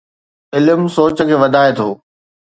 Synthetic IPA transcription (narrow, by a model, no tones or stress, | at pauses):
ɪlmsoːt͡ɕəkʰeːʋɐd̪ʱaːet̪ʰoː